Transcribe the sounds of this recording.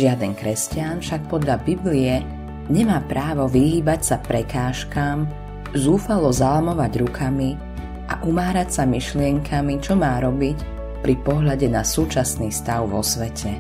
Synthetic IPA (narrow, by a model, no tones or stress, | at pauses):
ʒɪad̪ɛŋkɾɛscɪanfʃak̚pɔd̪ʎabibliɛ | ɲɛmaːpɾaːʋɔʋiɦiːbacsapɾɛkaːʃkaːm | zuːfalɔzalamɔʋaɟɾukʰami | ʔa̰ʔumaːɾacsamiʃlɪɛŋkʰamit͡ʃɔmaːɾɔbic | pɾipɔɦʎaɟɛnasuːt͡ʃasniːst̪aʊʋɔ̰sʋɛcʰɛ